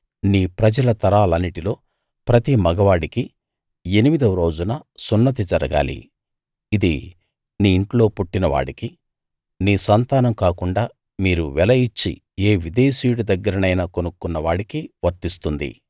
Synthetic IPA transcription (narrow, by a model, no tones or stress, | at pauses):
niːpɾɐd͡ʒɐlɐt̪ɐɾaːlɐnːiʈilo̞ː | pɾɐt̪imɐɡɐʋaːɽiki | e̞nimid̪ɐmɾo̞ːd͡ʒunɐsunːɐt̪̬id͡ʒɐɾɐɡa̰ːlḭː | d̪i | niːɳʈlo̞ːpuʈːinɐʋa̰ːɽiki | niːsɐnt̪aːnɐmkaːkuɳɖaː | miːɾuʋɛlɐjit͡ʃːḭ | e̞ːʋid̪e̞ːsiːjuɽud̪ɐɡːɐɾɐnɐjnaːkonukːunːɐʋaːɽikiʋɐɾt̪ist̪und̪ḭ